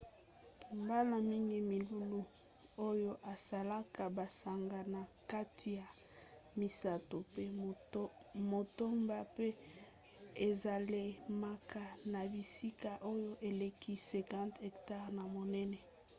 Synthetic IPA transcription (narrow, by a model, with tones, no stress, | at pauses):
u˨mba˦la˨mi˦ŋɡi˨mi˨lu˦lu˦ | o˦jo˦ʔa˨sa˨la˦ka˨ba˨sa˨ŋɡa˨na˨ka˦tʰi˨ja˨ | mi˨sa˦to˨pe˦ | mo˨to˦mba˦pe˦ | e˨za˨le˦ma˨ka˦na˨bi˨si˦ka˨ʔo˦jo˦ʔe˨le˨ki˦sɛ̃˨kã˦ntɛ˨kta˦ʁna˨mo˨nɛ˦nɛ˨